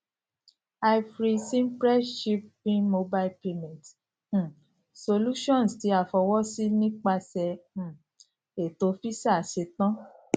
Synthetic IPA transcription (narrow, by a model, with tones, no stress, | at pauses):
a˧jfɾi˧sĩ˦npɾɛ˦ʃi˦p̚ːĩ˦mo˧ba˦i˦lpe˧mɛ̃˨t̩˨ | so˧lu˦ʃɔ̃˦˨nsti˨˦a˨fɔ˧wɔ˦si˦nĩ˦k͡pa˧sɛ̃˧˨ | e˨to˧fi˦sa˦˨ʃe˧tã˦